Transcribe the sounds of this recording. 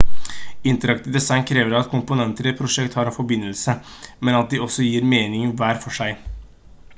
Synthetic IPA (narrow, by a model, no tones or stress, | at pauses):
ɪnt̪əɾɑkt̪ɪd̪ɛsɑɪnkʰɾeːʋəɾɑt̪kʰʊmpʊnɛnt̪əɾəpʰɾʊʂɛkt̪hɑɾɑfɔbɪnːəlsəmɛnɑt̪̚d̪ɪɔsːɔjiːɾmeːnɪŋʋæːɾfɔʂæɪ